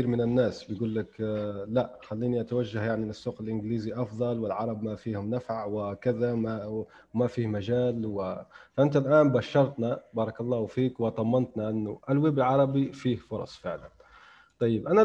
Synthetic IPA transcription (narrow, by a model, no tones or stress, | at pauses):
iːɾmɪnɪnːaːsbɪjɡuːlːaklaʔxalːiːniʔat̪awaʒːahjaʕniɪsːuːqɪlʔɪnɡliːziʔɑfðˤɑlwɪlʕɑɾˤɑbmafiːhʊmnafʕwɪkɪðaa | mafiːhmaʒaːlwɪʔɪnt̪alʔaːnbaʃːɑɾˤt̪nabɑːɾˤɑkɑlˤːɑːfiːkwɪd̪ˤɑmːɑnt̪naʔanːʊʔalweːbɪlʕɑɾˤɑbifiːhfʊɾˤɑ̰sˤfɪʕla̰n | t̪ˤɑjːɪbʔana